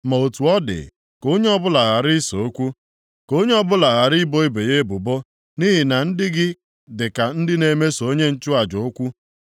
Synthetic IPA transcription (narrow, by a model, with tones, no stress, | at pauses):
ma˨o˨tu˨ɔ˦dɪ̰˨ | ko˦ɲe˦ɔ˦bʊ˦la˨ɣa˨ɾi˦so̰˨o˦kʷu˦ | ko˦ɲe˦ɔ˦bʊ˦la˨ɣa˨ɾi˦bo˦i˦be˨je˦bʊ˨bo˦ | ni˦ɦi˨na˨n̩˦dɪ˦ɡɪ˦ | dɪ˨ka˨n̩˦dɪ˦ne˨me˦so˦ɲe˦n̩˦t͡ʃʊ˦a˨d͡ʒo˨o˦kʷu˦